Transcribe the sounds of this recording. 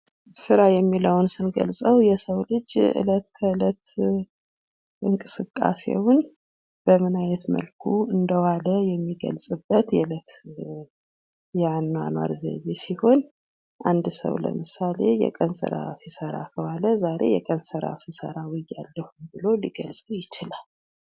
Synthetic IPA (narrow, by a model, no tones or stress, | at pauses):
sɨɾajɛmːiləwnsɨnɡə̰lsʼəwjɛsəwlɨd͡ʒʔɨ̰lət̪kʰəɨlət̪ | ʔɨŋkʼɨsɨkʼːa̰se̞̰wʊn | b̥əmɨnajnət̪mə̰lkʰuɨnd̪əwaləjɛmːiɡə̰lsʼɨbːət̪jɛɨlət̪ | jɛanːa̰nwa̰ɾzə̰βesiho̞n | ʔand̪sə̰wlə̰mɨsale̞jɛ̰kʼənsə̰ɾa̰sisəɾa̰kʰəwaləzaɾe̞jɛkʼənsəɾa̰sisə̰ɾawɪjːalːəhumbɨlo̞liɡəlsʼəwjɪt͡ʃɪlal